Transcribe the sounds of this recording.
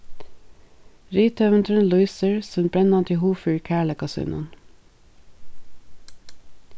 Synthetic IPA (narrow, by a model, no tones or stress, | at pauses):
ɾiːt̪ʰœʋənt̪ʰʉnlʊɪsəɹsœnbɹɛnɑnt̪ʰɪhuːfyːɹkʰæːɭəkɑsʉ̰nʊ̰n